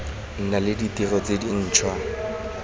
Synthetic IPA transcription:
n̩nalɪditirɔt͡sedin̩ːt͡ʃʰwa

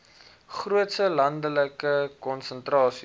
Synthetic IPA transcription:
χruətsəlɐndələkəkɔnsəntrɑːsi

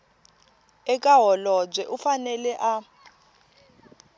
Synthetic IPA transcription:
ɛkʼaɦɔlɔb͡ʐwɛʔufanɛlɛʔa

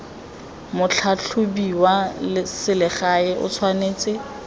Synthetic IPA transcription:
mʊt͡ɬʰat͡ɬʰʊbiwalɪsɪlɪχaɪʔʊ̰t͡sʰwaneːt͡sʼɪ

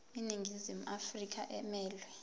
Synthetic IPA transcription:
iniŋɡʱizimuʔafrik̬a̰ʔɛmɛːlwɛ

